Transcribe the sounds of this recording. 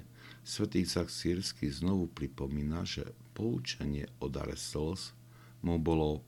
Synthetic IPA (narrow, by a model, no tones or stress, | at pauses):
sʋɛt̪iːsaxsiːɾskiznɔʋupɾipɔmiːnaʒɛ̰ | pɔut͡ʃɛɲɪɛɔd̪a̰ɾɛ̰sls | mubɔlɔ